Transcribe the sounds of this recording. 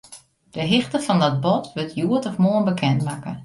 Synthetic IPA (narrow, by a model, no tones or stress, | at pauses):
d̥əɦɪxtəfɔndɔt̚bɔtʋøtʰjuətɔfmoənbəkʰɛntmakə̰